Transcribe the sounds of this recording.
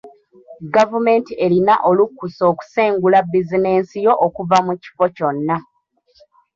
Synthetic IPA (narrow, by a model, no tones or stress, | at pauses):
ɡavume̞ːntiʔe̞linaʔo̞lukːuso̞ːku̥se̞ːŋɡulabːizine̞ːnsijo̞ʔokuvamuci̥fo̞co̞nːa